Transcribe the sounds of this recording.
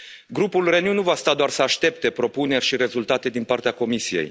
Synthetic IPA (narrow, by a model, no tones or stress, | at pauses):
ɡɾupulrenjunuvast̪ad̪oarsəaʃt̪e̞pt̪e̞pɾo̞pune̞rʲʃiɾe̞zult̪at̪e̞d̪inpart̪eako̞misije̞̰j